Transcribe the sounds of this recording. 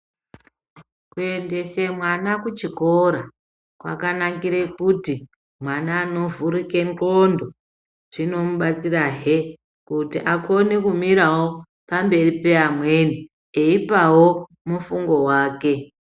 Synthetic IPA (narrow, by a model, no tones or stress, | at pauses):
kue̞nde̞se̞mwanakut͡ʃiko̞ɾa | kwa̰kanakiɾekuti | mwanaːno̞vuɾike̞ŋkondo | ʐ̥ino̞muɓat͡siraɦe | kutiʔakone̞kumiɾawo̞ | pambe̞ripe̞amwe̞ni | eipawo | mufuŋɡo̞waːke̞